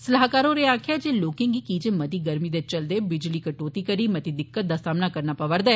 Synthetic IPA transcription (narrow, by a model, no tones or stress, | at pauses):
səlaɦkaːɾoːɾeːaːkʰjaːd͡ʒeːloːkẽːŋɡiːkiːd͡ʒeːmət̪iːɡəɾmiːd̪eːt͡ʃəld̪eːbɪd͡ʒliːkəʈoːt̪iːkəɾiːmət̪iːd̪ɪkːət̪̚d̪aːsaːmnaːkəɾnaːpəʋəɾd̪ɛː